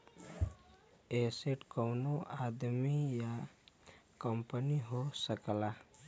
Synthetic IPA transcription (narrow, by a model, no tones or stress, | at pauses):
eseʈkəwnoad̪mija | kəmpəniɦosəkla